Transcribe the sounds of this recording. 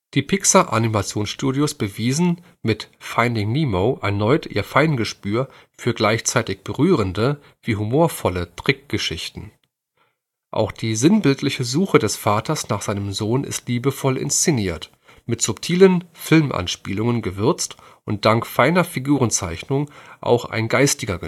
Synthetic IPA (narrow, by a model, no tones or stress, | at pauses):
d̥iːpʰɪksaʔa̰nimat͡sjoːnsʃtuːdjʊsb̥əviːzn̩ | mɪtfaɪndɪŋniːmoːʔɛ̰ɐnɔʏtʰḭːɐfaɪnɡəʃpyːɐ | fyːɐɡlaɪçt͡saɪtɪçb̥əʁyːʁ̞əndə | v̥iːɦumoːɐfɔlətʁ̥ɪk̚ɡ̥əʃɪçtn̩ | ʔa̰ʊxd̥iːzɪnbɪltʰlɪçəzuːxədɛsfaːtʰɐsnaːχz̥aɪnəmzoːnɪ̰stliːbəfɔlɪ̰nst͡sɪniːɐt | mɪtz̥ʊptʰiːlənfɪlmʔa̰nʃpiːlʊŋənɡəvʏɐt͡st | ʔʊnt̚d̥aŋkfaɪnɐfiɡuːʁənt͡saɪçnʊŋʔa̰ʊxʔa̰ɪnɡaɪstɪɡɐɡə